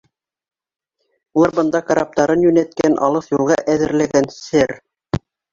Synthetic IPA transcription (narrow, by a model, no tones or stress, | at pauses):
ulˠɑɾbɤ̆nd̪ɑkaɾɑp̚t̪ɑɾɤnjʉnæt̪̚kænʔɑ̰lˠɤθjulˠʁɑʔæðɘ̆ɾlæɡænsɘɾ